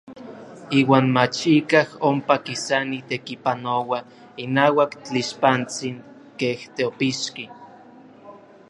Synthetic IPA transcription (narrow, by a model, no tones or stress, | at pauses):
iːwaːnmat͡ʃikahompakisanit̪ekipanowa | inaːwakt͡ɬiʃpant͡siŋ | keht̪eopiʃki